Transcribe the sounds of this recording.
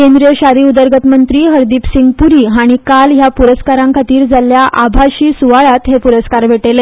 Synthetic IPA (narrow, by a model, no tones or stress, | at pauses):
kend̪ɾijəɕaɾiːud̪əɾɡət̪mənt̪ɾiːɦəɾd̪iːpsiŋɡpuɾiːɦaɽ̃ikalɦjapuɾəskaɾãŋkʰat̪iːɾd͡zaljaʔabʱaɕiːsuʋaɭat̪ɦepuɾəskaɾʋʱeʈele